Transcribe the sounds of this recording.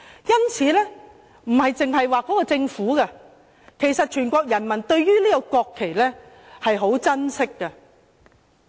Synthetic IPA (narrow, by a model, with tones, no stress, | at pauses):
jɐ˥nt͡sʰiː˨˥lɛː˥ | m̩˨˩hɐ˨jt͡sɪ˨ŋɦɐ˨jwaː˨˧kɔː˨˥kɔː˧t͡sɪ˧ŋfuː˨˥ɡɐ˧ | kʰe˨˩jsɐ˨t̚t͡ʃʰyː˨˩nkʷɔː˧k̚jɐ˨˩nmɐ˨˩nt̪ɵ˧ɥɥyː˥liː˥kɔ˧kʷɔː˧kʰːe˨˩jlɛ˥ | hɐ˨jɦo˨˥wt͡sɐ˥nsɪ˥kːɐ˧